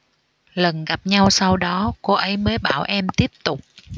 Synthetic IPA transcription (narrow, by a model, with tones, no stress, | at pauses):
lə˨˩nɣa˨˩p̚ɲa˧wsa˧wɗɔ˨˦ko˧ʔə˨˦jməː˨˦jɓaː˧˩wʔɛ˧mt̪i˦˥əp̚t̪ʊ˨˩k͡p̚